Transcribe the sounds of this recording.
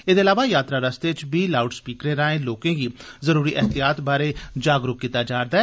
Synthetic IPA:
eːd̪eːəlaːʋaːjaːt̪ɾaːɾəst̪eːt͡ʃbiːlaːʊʈspiːkɾeːɾãːẽːloːkẽːɡiːzəɾuːɾiːʔɛɦt̪ijaːt̪baːɾeːd͡ʒaːɡɾʊkkiːt̪aːd͡ʒaːɾd̪aːɛ

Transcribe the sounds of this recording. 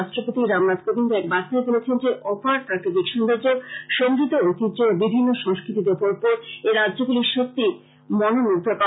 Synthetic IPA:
aʃʈɾopot̪iɾamnat̪kobind̪oɛkbasaebolet͡ɕʰend͡ʑeʔɔpaɾpaɾkitikʃɔnd̪aɾd͡ʑoʃoŋɡɾit̪oot̪id͡ʑobibʱinːoʃɔŋskɾit̪id̪epoɾpoɾeɾadʑoɡuliʃok̚t̪i | mɔnonuɡd̪ʱoka

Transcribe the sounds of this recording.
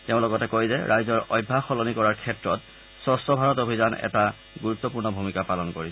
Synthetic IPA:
teʊ̃lɔɡɔtɛkojzɛɹʔajzɔɹɔjbʱːaxɔlɔnikɔɹaɹkʰɛtɹɔt | sɔsɔbʱaɹɔtobʱizanɛ̰ta | ɡuɹut̪ːɔpuɹnɔbʱumikapalɔnkoɹis

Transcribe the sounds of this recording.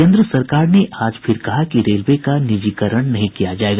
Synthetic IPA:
ẽːnd̪ɾəsɐɾkaːɾneʔaːd͡ʒpʰɪɾkɐɦakiɾeːlʋekanɪd͡ʒiːkəɾəɽ̃nɐɦĩkijad͡ʒaːeːɡaː

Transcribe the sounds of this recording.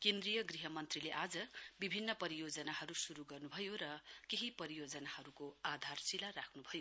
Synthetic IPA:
kend̪rijʌɡriɦʌmʌnt̪rileʔad͡zʌbibʱinːʌpʌɾijod͡zʌnaɦʌɾusuɾuɡʌrnubʱʌjoɾʌkeɦipʌɾijod͡zʌnahʌɾukoad̪ʱarsilarakʰnubʱʌjo

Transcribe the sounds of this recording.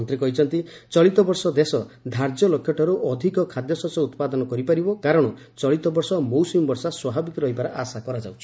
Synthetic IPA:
nt̪ɾikɔɦit͡ʃʰɔnt̪it͡ʃɔɭit̪ɔbɔɾsɔd̪esɔd̪ʱaɾd͡ʒɔlɔkʰːjɔʈɔɾuʔɔd̪ʱikɔkʰad̪jɔsɔsɔut̪pad̪ɔnɔkɔɾipaɾibɔkaɾɔɽ̃ɔ | t͡ʃɔɭit̪ɔbɔɾsɔmowsimbɔɾsaswababikɔɾɔɦibaɾaʔasakɔɾad͡ʒawt͡ʃʰi̥

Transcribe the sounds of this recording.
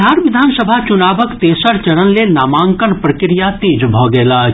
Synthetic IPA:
aːɾʋɪd̪ʱaːnsəbʱat͡ʃʊnaːbəkt̪eːsəɾt͡ʃɐɾənlenaːmãːŋkənpɾəkɾɪjat̪eːd͡ʒbʱɔːɡɐlaː

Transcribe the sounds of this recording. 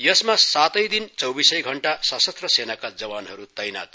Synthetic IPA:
jʌsmasat̪ʌjd̪int͡sʌwbisʌjɡʱʌɳʈasʌsʌt̪rʌsenakad͡zʌwanɦʌɾut̪ʌjna̰t̪̚

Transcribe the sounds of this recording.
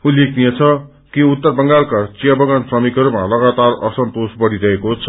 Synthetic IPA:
ulːekʰnijet͡sʰʌ | kiut̪ːʌrbʌŋɡalkat͡sijʌbʌɡʌnsrʌmikɦʌɾumalʌɡat̪arʌ̰sʌnt̪osbʌɽiɾʌɦekot͡sʰʌ̥

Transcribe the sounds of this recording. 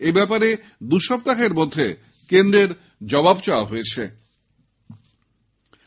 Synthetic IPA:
ebɛpaɾe | d̪uʃɔb̚t̪akeɾmod̪ʱːe | kend̪ɾeɾ | d͡ʑɔbabt͡ɕaaɦoet͡ɕʰe

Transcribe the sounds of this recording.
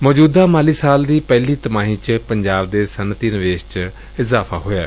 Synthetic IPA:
mɔːd͡ʒuːd̪aːmaːliːsaːld̪iːpɛːliːt̪əmaːɦĩːt͡ʃpəɲd͡ʒaːb̚d̪eːsənt̪iːnɪʋeːʃt͡ʃə | ɪzaːpʰa̰ːɦoːja̰ː

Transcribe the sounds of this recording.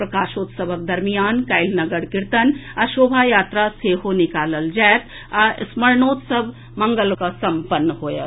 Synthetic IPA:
pɾɐkaːʃoːt̪sɐbʱək̚d̪ɐɾmijaːnkajlnɐɡəɽkɪɾt̪ənɐʃoːbʱajaːt̪ɾaseːɦonɪkaːləld͡ʒɛːt̪ | asmɐɾnoːt̪sɐbʱ | mɐ̃ŋɡəlkasɐ̃mpənːɦoːja̰ː

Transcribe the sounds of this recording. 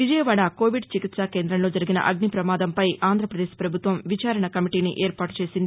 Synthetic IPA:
ʋid͡ʒɐjɐʋaːɽaːko̞ːʋiɖt͡ʃikit̪saːkeːnd̪ɾɐnlo̞ːd͡ʒɐɾiɡinɐ̰ʔɐɡnipɾɐmaːd̪ɐmpɐjʔaːnd̪ʱɾɐpɾɐd̪eːʃpɾɐbʱut̪ʋɐmʋit͡ʃaːɾɐɳɐkɐmiʈiːniʔeːɾpaːʈu̥t͡ʃe̞ːsind̪i

